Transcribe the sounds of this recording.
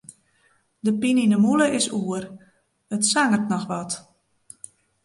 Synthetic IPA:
dəpininəmuləʔɪsuər | ətsaŋərtnɔxʋɔt

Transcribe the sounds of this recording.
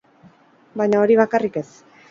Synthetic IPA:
bajɲao̞ɾiβ̞akarike̞s

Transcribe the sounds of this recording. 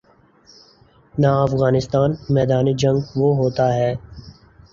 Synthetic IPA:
naɐfɣaːnɪst̪aːnmɛːd̪aːnid͡ʒɐ̃ŋɡʋoɦoːt̪aɦɛː

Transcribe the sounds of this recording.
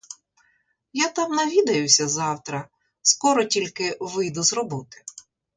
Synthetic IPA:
jat̪ɑmnɐʋʲid̪ɐjʊsʲɐzɑwt̪ɾɐ | skɔɾɔtʲilʲkɪʋɪjd̪ʊzrɔbɔt̪ɪ̥

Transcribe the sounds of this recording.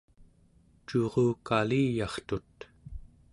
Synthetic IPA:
t͡ʃuʁuːkaliːjɑχt̪ut̪

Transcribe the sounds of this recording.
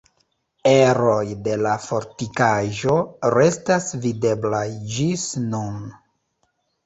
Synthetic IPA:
e̞ɾo̞jde̞lafo̞ɾtikaʒo̞ɾe̞stasvide̞blajd͡ʒisnun

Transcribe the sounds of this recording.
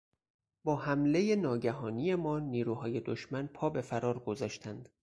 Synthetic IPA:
bɒːhæmle̞je̞nɒːɟæɦɒːnije̞mɒːniːɾuːɦɒːje̞d̪oʃmænpʰɒːbe̞fæɾɒːɾɡo̞zɒːʃt̪ʰænd̪̥

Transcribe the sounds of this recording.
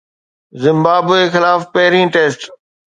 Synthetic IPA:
zɪ̃mbaːbexɪlaːfpɛɦɾĩːʈeːsʈ

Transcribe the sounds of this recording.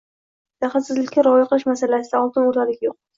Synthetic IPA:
t̪ʰaχasɪzlɪkʲːaɾɒjɪqʰɨlˠɪʃmasalasɪd̪aɒlˠt̪ɪnoɾt̪ʰalɪkʲjoq̚

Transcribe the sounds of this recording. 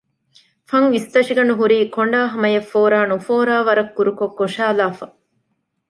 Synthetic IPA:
fɐŋʋist̪ɐʃiɡɐɳuɦuɾiːkoɳɖaːɦɐmɐjefːoːɾaːnufoːɾaːʋɐɾɐkːuɾukokːoʂaːlaːfɐ

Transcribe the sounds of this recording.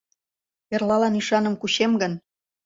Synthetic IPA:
erlɑlɑniʃɑnəmkuɕemɡə̆n

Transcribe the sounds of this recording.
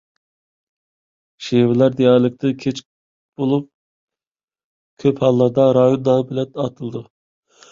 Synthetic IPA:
ʃewɪlˠæɾd̪ejɑɾlˠɨk̚ʲt̪ʰɨkʲʰet͡ʃk̚ | b̥olˠup̚ | kʲʰøphɑlˠːɑɾd̪ɑɾɑːjond̪ɑbɪlɛnɑt̪ʰɨlˠɨd̪u

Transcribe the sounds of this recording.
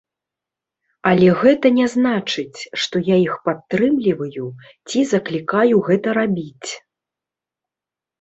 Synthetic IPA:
ɐlʲɛɣɛt̪ɐnʲɛznat͡ʂɨt͡sʲʂt̪ɔjaixpat̪ːɾɨmlʲivɐju | t͡sʲizɐklʲikajuɣɛt̪ɐɾabʲit͡sʲ

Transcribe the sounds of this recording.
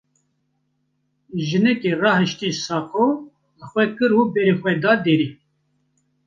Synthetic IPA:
ʒɨnɛkerɑːhɨʃt̪isɑːqo | əxʷwɛkɨɾuːbɛɾexʷɛd̪ɑːd̪eːɾiː

